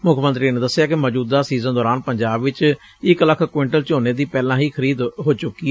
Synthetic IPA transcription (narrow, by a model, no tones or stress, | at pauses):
mʊkʰmənt̪ɾiːneːd̪əsːɪjaːkɪmɔːd͡ʒuːd̪aːsiːzə̃nd̪ɔːɾaːnpəɲd͡ʒaːbʋɪt͡ʃ | ɪkləkʰkʊɪɳʈəlt͡ʃoːneːd̪iːpɛːlãːɦiːkʰəɾiːd̪ɦoːt͡ʃʊkːiː